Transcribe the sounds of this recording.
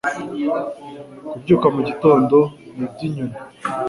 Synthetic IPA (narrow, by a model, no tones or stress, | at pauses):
kubɟuːkamuɟito̞ːndo̞nibziɲuma